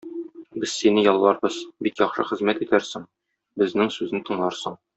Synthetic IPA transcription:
bɘzsinɘjɒlˠːɑɾbɤzbikjɒχʃɤ̰χɘ̆zmæt̪it̪æɾsɘŋ | bɘ̆znɘŋsʉznɘt̪ʰɤ̆ɴlˠɑɾsɤɴ

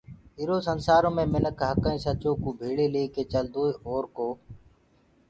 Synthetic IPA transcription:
ɪɾoːsənsaːɾõːmẽːmɪnəkɦəkəĩːsət͡ʃoːkuːbʱeːɭeːleːkeːt͡ʃəld̪ʱoːeːoːɾkoː

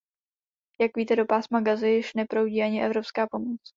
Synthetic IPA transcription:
jakviːt̪ɛdo̞paːsmaɡazɪjɪʃnɛpɾowɟiːaɲɪʔɛvɾo̞pskaːpo̞mot͡s

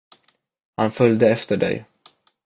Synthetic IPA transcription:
hanfœljd̪əɛft̪əɖɛ̰j

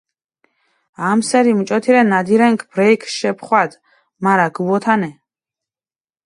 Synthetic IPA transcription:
amsɛɾimt͡ʃʼɔt̪ʰiɾɛnad̪iɾɛŋkʰb̥ɾɛjkʰʃɛpʰχwad̪ | maɾaɡuwɔt̪ʰanɛ

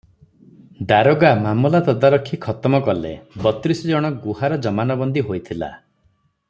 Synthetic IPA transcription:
d̪aɾoɡamamulat̪ɔd̪aɾɔkʰːikʰɔt̪ɔmɔkɔlḛbɔt̪ɾisɔd͡ʒɔɽ̃ɔɡuhaɾɔd͡ʒɔmanɔbɔnd̪iɦojt̪ʰila̰

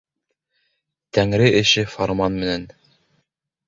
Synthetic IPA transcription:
t̪æŋɾɘʔɘ̆ʃɘfoɾmɑnmɘ̆næn

